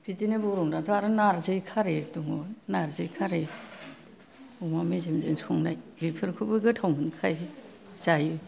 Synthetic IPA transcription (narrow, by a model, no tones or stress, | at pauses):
pʰitinebɯɾɔŋdatʰɔaɾɯnaɾzɯjkʰaɾetuŋonaɾzɯjkʰaɾe | umamizemzensɔŋnajbipʰɯɾkʰubɯɡɯtʰawmɯnkʰaj | zajɯ